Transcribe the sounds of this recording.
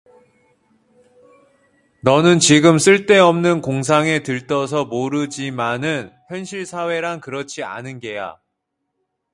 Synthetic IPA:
nʌnɯnt͡ɕiɡɯms͈ɯɭt͈e̞ʌmnɯnkoŋs̬ʰaŋe̞tɯɭt͈ʌs̬ʰʌmoɾɯd͡ʑimanɯnçjʌnɕʰiɭsʰawe̞ɾankɯɾʌt͡ɕʰia̰nɯnɡe̞ja̰

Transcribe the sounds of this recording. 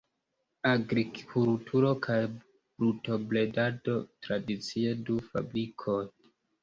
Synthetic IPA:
aɡɾikkʰultʰuɾo̞kʰaj | ɾuto̞ble̞dado̞tɾadit͡siedufa̰bɾikʰoj

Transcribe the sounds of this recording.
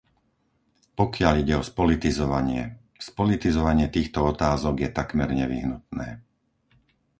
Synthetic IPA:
pɔkɪaʎiɟɛɔspɔlit̪izɔʋaɲɪɛ | spɔlit̪izɔʋaɲɪɛt̪iːxt̪ɔɔt̪aːzɔɡjɛt̪akmɛɾɲɛʋḭɦnut̪nɛː

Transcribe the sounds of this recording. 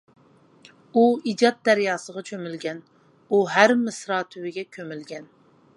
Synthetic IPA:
uid͡ʒɑt̪̚d̪æɾjɑːsəʁɑt͡ʃʰømylɡʲɛn | uɦæɾmɪsɾɑːt̪ʰywɪɡʲɛkʲʰømylɡʲɛn

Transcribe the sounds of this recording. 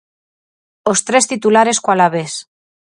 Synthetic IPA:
ost̪ɾest̪it̪ulaɾe̞skwalaβes

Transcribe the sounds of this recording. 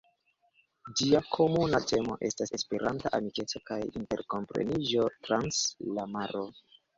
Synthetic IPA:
d͡ʒiakʰomunate̞mo̞̰ʔe̞stase̞spe̞ɾʔantaʔamike̞t͡so̞kajḭnte̞̰ɾko̞mpɾḛnid͡ʒo̞tɾanslamaɾo

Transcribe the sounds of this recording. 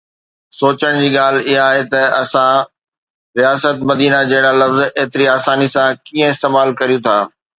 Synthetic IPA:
soːt͡ɕəɽ̃d͡ʑiːɠaːl̤ɪɦaaːɦet̪ɐɐsã | ɾijaːsət̪mɐd̪iːnad͡ʑɐɦɪɽ̃alɐfzeːt̪ɪɾiaːsaːnisãkiːə̃ɪst̪eːmaːlkɐɾijũt̪ʰaː

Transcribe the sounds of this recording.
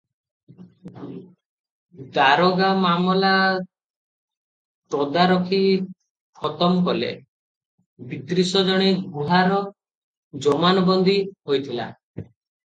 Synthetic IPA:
d̪aɾɔɡamamɔla | t̪ɔd̪aɾɔkʰi | pʰɔt̪ɔmkɔlḛ | bit̪ɾisɔd͡ʒɔɽ̃eɡuɦaɾɔ | d͡ʒɔmanɔbɔnd̪ihojt̪ʰila̰

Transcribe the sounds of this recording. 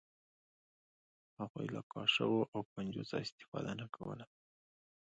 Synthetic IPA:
haɣujlakɑʃə̰woʔawkand͡ʒuzɑɪst̪ɪ̥fɑ̰d̪anakʰawə̰la

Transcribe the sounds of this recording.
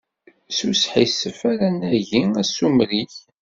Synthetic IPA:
susħisəfæɾænæʝiæsumɾiç

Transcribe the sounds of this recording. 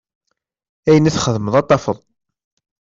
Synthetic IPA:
æjənæθχəðməðˤɑt̪ˤːɑfəðˤ

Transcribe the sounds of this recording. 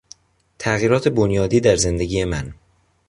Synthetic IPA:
t̪ʰæɣiːɾɒːt̪ʰe̞bonjɒːd̪iːd̪æɾze̞nd̪e̞ɟiːjemæn

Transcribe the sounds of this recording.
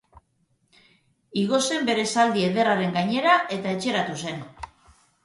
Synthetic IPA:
iɣo̞se̞mbe̞ɾe̞sald̪ie̞ðe̞raɾe̞ŋɡaɲe̞ɾaʔe̞t̪ae̞t͡ʃe̞ɾat̪use̞n

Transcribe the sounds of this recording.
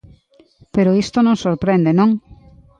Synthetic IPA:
peɾoist̪onõŋsoɾpɾend̪enõŋ

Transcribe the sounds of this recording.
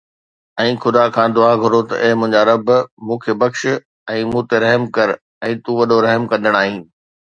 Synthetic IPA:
ɛ̃ːxʰʊd̪akʰãːd̪ʊaɡʱʊɾot̪ɐ̰ʔɛɦɪmʊ̃ɦɪ̃ɲd͡ʑaɾɐbmũːkʰeːbɐkʃɪ | ɛ̃ːmũːt̪eɾɐɦmkɐɾ | ɛ̃ːt̪ũːʋɐɗoɾɐɦmkɐ̃nd̪əɽ̃aːɦĩːn

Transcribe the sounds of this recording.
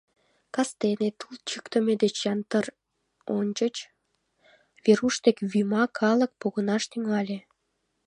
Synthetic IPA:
kɑst̪enet̪ult͡ɕykt̪əmed̪et͡ɕjɑnt̪ər | onʲt͡ɕət͡ɕ | βeɾuʃt̪ekβymɑkʰɑlək̚poɣənɑʃt̪yŋɑlʲe

